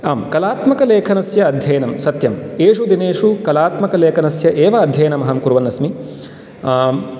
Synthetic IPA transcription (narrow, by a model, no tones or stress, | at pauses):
aːmkɐlaːt̪mɐkɐleːkʰɐnɐsjɐːd̪ʱjɐjɐnɐmsɐt̪jɐmeːʂud̪ineːʂukɐlaːt̪mɐkɐleːkʰɐnɐsjɐʔeːʋɐːd̪ʱjɐjɐnɐmɐɦɐmkuɾʋɐnːɐsmi